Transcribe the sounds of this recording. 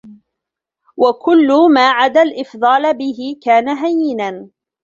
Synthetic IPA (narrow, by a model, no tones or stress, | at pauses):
wakʊlːʊmaːʕad̪alʔɪfd̪ˤɑːlbɪɦɪkaːnaɦajːɪnan